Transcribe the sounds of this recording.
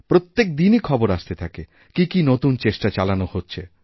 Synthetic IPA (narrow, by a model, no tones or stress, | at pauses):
pɾot̪ːek̚d̪inikʰɔboɾaʃt̪et̪ʰake | kikinot̪unt͡ɕeʃʈat͡ɕalanohotːɕʰe